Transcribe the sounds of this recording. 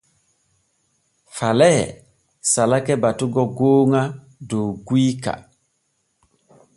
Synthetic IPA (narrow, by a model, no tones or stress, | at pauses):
falɛ | salakɛbatuɡɔɡoːŋa | doɡwika̰